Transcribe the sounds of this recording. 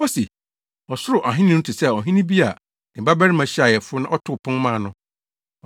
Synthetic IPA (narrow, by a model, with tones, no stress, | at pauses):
ɔ˦se˨ | ɔ˨sʊ˦ɾʊ˨ʔa˨ɦɪ̃˦nɪ̃˦tʰɪ˨sɛ˦˨ɔ˨ɦĩ˦nĩ˦bi˦a˨ | ɪ̃˨ba˦bɛ˦ɾɪ˦mã˨ɕi˦a˨jɛ˨fʊ˦nã˦ʔɔ˦tʰʊ˦˨pʰʊ̃˦n˦mã˦˨nʊ̃˦˨